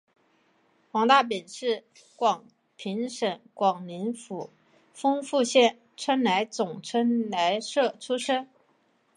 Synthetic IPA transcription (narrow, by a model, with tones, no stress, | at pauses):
xwɑ˧˥ŋt̪a˥˩p̬i˨˩nʂɻ̩˥˩ | kwɑ˨˩ŋ | pʰi˧˥ŋʂə˨˩nkwɑ˨˩ŋli˧˥nfu˧˩ | fɤ˥ŋfu˥˧ɕjɛ˥˩n | ʈ͡ʂʰə˥nla˧˥ɪt͡sʊ˨˩ŋʈ͡ʂʰə˥nla˧˥ɪʂɤ˥˩ʈ͡ʂʰu˥ʂə˥n